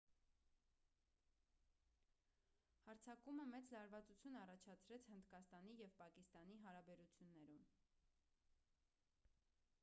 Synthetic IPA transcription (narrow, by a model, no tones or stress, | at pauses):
hɑɾt͡sʰɑkuməmɛt͡slɑɾvɑt͡sut͡sʰjunɑrɑt͡ʃʰɑt͡sʰɾɛt͡sʰhənd̪kɑst̪ɑnijɛvpɑkist̪ɑn̪iɦɑɾɑbɛɾut͡sʰjunːɛɾum